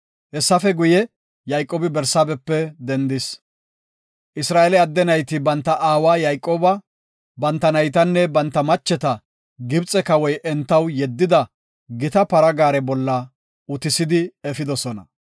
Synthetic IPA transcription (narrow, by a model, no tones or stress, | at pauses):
ʔɛsːɐfɛɡʊjɛ | jajkʼːoːbɪbɛɾsaːbɛpːɛd̪ɛnd̪ɪs | ʔɪsɾaːʔɛlɛɐd̪ːɛnɐjt̪ɪbɐnt̪ːɐʔaːwaːjajkʼːoːbɐ | bɐnt̪ːɐnɐjt̪ɐnːɛbɐnt̪ːɐmɐt͡ʃːɛt̪ɐ | ɡɪbt͡sʼɛkɐwɔjʔɛnt̪ːɐwjɛd̪ːɪd̪ɐ | ɡɪt̪ɐpɐɾɐɡaːɾɛbɔlːɐ | ʊt̪ɪsɪd̪ɪɛfɪd̪ɔsɔnɐ̰